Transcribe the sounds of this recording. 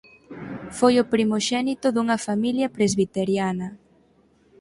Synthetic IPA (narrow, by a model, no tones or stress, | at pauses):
fojopɾimoʃɛnit̪ʊðuŋɐfamiljɐpɾezβit̪eɾjanɐ